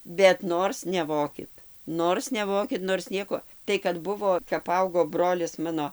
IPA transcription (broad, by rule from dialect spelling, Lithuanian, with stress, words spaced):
bʲɛt ˈnoːrs nʲɛˈʋoːkʲɪt ˈnoːrs nʲɛˈʋoːkʲɪt noːrs ˈnʲiɛkoː tɐɪ kɐt ˈbʊʋoː kɐp ˈɐʊɡoː ˈbroːlʲɪs ˈmɑːnoː